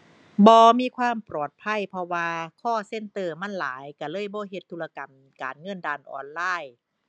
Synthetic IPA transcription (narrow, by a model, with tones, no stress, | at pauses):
bɔː˧miː˧˨kʰwaː˧˥˨mpɾɔː˨˩t̪̚pʰa˧˥˨jpʰɔ˧waː˧kʰɔː˥˩se˧˥˨nt̪ɤː˧˩ma˧˥˨nlaː˨˦jka˧˩lɤː˧˥˨jbɔː˧˦ɦe˧˦t̪ʰːuː˧la˧ka˨˩m | ka̰ː˨nŋɤ˧˥˨ndaː˧˩nʔɔ̰ː˧˩nlaː˧˥˩j